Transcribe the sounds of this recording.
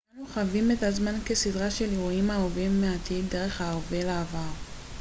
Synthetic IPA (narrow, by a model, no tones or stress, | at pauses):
anuχavimetazmanke̞sidʁaʃe̞liʁuimaovimːeat̪ide̞ʁe̞χaovelaːvaʁ